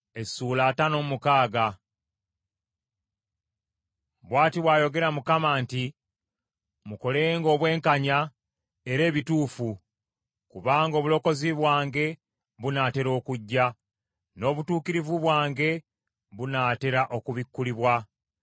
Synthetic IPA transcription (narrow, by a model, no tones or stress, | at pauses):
e̞suːlaːtano̞ːmukaːɡa | βwaːtiβwaːjo̞ɡe̞ɾamukamaːnti | muko̞leŋɡo̞ːβwe̞ːŋkaɲa | e̞ɾe̞ːβituːfu | kuβaːŋɡo̞ːβulo̞ko̞ziβwaːŋɡe̞ | βunaːte̞ɾo̞ːkuɟːa | no̞ːβutuːkiɾivuβwaːŋɡe̞ | βunaːte̞ɾaʔo̞kuβikːuliβwa